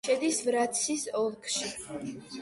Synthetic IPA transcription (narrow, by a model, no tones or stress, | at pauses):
ɛd̪isvɾat̪sʰisɔlˠkʰʃi